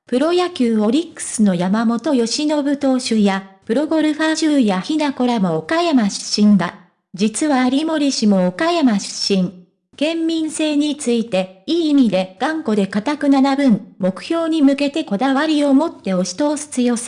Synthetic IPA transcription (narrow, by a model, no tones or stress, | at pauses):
pɯ̟ɾo̞jakʲɨːβo̞ɾʲikːɯ̥sɨno̞jamamo̞t̪o̞jo̞ɕino̞bɯ̟t̪o̞ːɕɨjapɯ̟ɾo̞ɡo̞ɾɯ̟ɸaʑɨːjaçinako̞ɾamo̞ːkajamaɕɨ̥ɕĩŋɡ̪a | d͡ʑit͡sɨβaːɾʲimo̞ɾʲiɕimo̞ːkajamaɕɨ̥ɕːĩŋ | ɡ̥ẽ̞mːʲĩɰ̃se̞ːɲ̟it͡sɨit̪e̞iːmʲid̪e̞ɡ̥ãŋko̞d̪e̞kat̪akɯ̟nanabɯ̟̃ɴmo̞kɯ̟̥çʲo̞ːɲ̟imɯ̟ke̞t̪e̞ko̞d̪aβaɾʲio̞mo̞t̪ːe̞o̞ɕi̥t̪o̞ːsɨ̥t͡sɨjo̞s